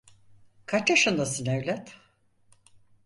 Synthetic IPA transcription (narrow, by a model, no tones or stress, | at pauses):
kʰat͡ʃaʃɯnd̪asɯnevlʲɛt̪